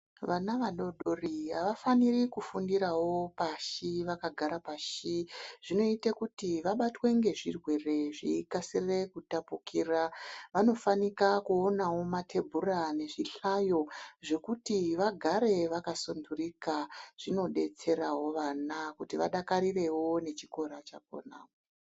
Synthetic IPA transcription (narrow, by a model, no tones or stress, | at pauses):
ʋanaʋaɗo̞ɗoriɦa̰ʋafanirikufundiɾawo̞paʃiʋakaɡʱaɾapaʃiʐ̥ino̞itakutiʋaɓatwe̞ŋɡe̞ʐirwe̞re̞ʐiikasirekutapukiːraʋano̞fanikakuonawo̞matʰe̞bʱurane̞ʐiɬajo̞ʐe̞kutiʋaɡʱaɾe̞ʋakasondurikaʐ̥ino̞ɗe̞t͡se̞rawo̞ʋanakutiʋaɗakaɾire̞wo̞ne̞t͡ʃiko̞ɾat͡ʃak̚o̰na̰ːo